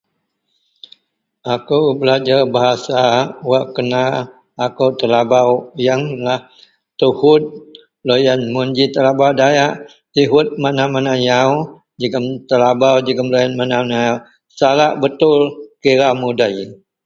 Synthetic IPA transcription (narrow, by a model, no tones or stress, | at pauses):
akuwbəlad͡ʒarbaɦasawaʔkənaː | kəwt̪əlabawjaŋlah | t̪uhʊt̪̚ | lojanmund͡ʒit̪əlabawdajaʔ | t̪iɦʊt̪̚manamanajaw | d͡ʒəɡəmt̪əlabawd͡ʒəɡəmlojanmananaaw | salaʔbət̪ʊlkiɾamudaj